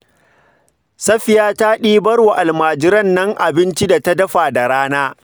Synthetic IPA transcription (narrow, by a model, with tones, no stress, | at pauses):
sɐ˦ɸɪ˨jaː˦ta˦ɗiː˦bɐ˦ɽwa˨ʔa˨lmaː˨d͡ʒɪ˦ɾɐ˦nːɐ˦ŋʔa˨bɪ˦nt͡ʃi˦da˨tɐ˦dɐ˦ɸaː˨da˨ɽaː˦naː˦